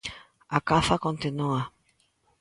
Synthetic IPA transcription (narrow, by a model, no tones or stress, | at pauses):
akafakõnt̪inua